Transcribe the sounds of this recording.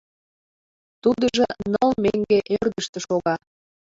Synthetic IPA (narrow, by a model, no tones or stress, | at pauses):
t̪ud̪əʒɤnəlmeŋɡeʔerd̪əʃt̪ĕʃoɣɑ